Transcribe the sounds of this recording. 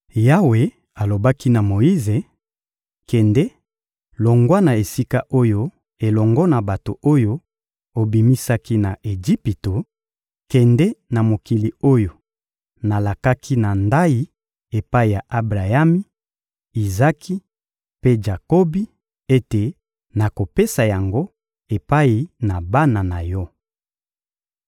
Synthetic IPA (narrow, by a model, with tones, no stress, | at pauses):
ja˦we˨ | a˨lo˨ba˦ki˦na˨mo˨ji˦ze˨ | kɛ˨ndɛ˦ | lɔ˨ŋɡwa˦na˨e˨si˦ka˦ʔo˦jo˦ | e˨lɔ˨ŋɡɔ˦na˨ba˨to˨ʔo˦jo˦ | o˨bi˨mi˦sa˦ki˦na˨ʔe˨d͡ʒi˦pi˨to˨ | kɛ˨ndɛ˦na˨mo˨ki˨li˨o˦jo˨ | na˨la˨ka˦kʰi˦na˨nda˦ji˨ | e˨pa˦i˨ja˨ʔa˦bʁa˨ja˦mi˦ | i˨za˦kʰi˦ | pe˦d͡ʒa˨ko˦bi˦ | e˦te˨ | na˨ko˨pe˦sa˨ja˨ŋɡo˦ | e˨pa˦i˨na˨ba˦na˨na˨jɔ˦